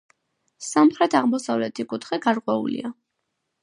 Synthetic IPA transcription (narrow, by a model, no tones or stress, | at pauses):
samχɾɛt̪ʰaʁmɔsavlɛt̪ʰikʼut̪ʰχiɡaɾkʼwɛṵlḭa